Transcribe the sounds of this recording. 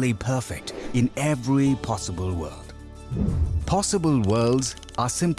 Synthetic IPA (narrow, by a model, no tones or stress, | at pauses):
lipʰɜˑ˞fɪk̚tɪ̃nɛvɹipʰɑsəbəlˠwɜ̰ːlˠd̥ | pʰɑsəbəlˠwɜːlˠdz | ʔəsɪ̃mp